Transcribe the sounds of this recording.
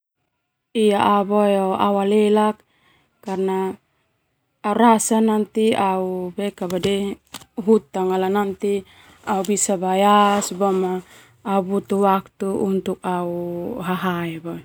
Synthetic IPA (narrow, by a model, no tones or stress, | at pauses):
ijaʔabojoa̰walɛlakː | arna | uɾasanant̪iaubɛkabadɛɦut̪aŋalanant̪i | aubisabajasbamaː | ubut̪uwak̚t̪uunt̪uk̚auɦaɦaɛbo